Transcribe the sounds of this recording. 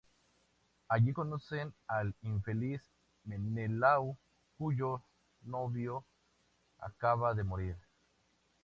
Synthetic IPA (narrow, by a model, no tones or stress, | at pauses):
aʝikonosenaliɱfelis | menelaw | kuʝo | noβjo | a̰kaβaðemoɾiɾ